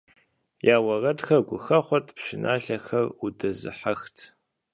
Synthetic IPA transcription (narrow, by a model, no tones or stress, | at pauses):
jaːwɐrɐdxɐɡʷʊxɐχʷɔtʼpʂɪnʔa̰ːɬɐxɐrudɐzɨ̰ħaxtʰ